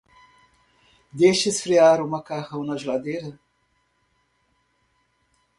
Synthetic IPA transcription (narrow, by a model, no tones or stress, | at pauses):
d̪eʃisfɾiaːɾumɐkahɐwnɐʒlad̪eɾə